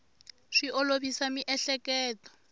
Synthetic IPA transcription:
ʂiʔoloβisamiʔɛɬɛkɛːtɔ̥

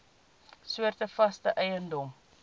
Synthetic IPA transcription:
suərtəfɐstəʔɛjəndɔm

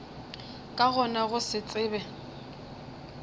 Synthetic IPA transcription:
kʼaɣɔnaɣʊsɪt͡sʼɪːbɛ

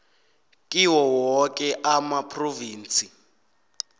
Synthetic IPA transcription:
kʼiwɔwɔkʼɛʔamapʰʼroviːnt͡sʰʼi

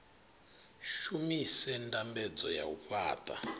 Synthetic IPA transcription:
ʃumisɛntʼambɛd͡zɔja̰uɸaːtʼa̰

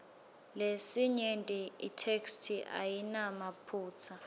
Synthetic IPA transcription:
lesiɲentʼiitʰekstʰiʔa̰jinamapʰuːt͡sʰa

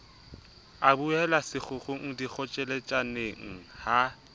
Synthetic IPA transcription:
abuɛlasɪk͡xʰʊχʊŋ̩dik͡xʰɔt͡ʃʼɛlet͡ʃʼaneŋ̩ha

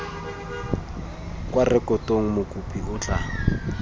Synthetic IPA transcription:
kʼwarɪkʼɔtʼoŋ̩mʊkʼupʰʼiʊt͡ɬʼa̰

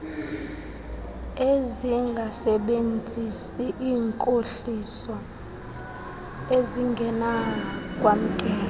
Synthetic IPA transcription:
eziŋɡʱasɛɓend͡zʱisiʔiːŋkʼoɬisɔ | eziŋɡʱɛnak̬ʼwam̩kʼɛːla

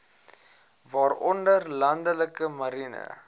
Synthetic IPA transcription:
vɑːrɔndərlɐndələkəmɐɾinə̰

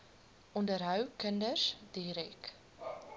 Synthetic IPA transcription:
ʔɔndəɾɦœwkəndərsdiɾɛk

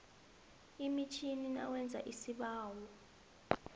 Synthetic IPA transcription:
imit͡ʃʰinina̰wɛnd͡zʱa̰ʔisiɓaːwɔ

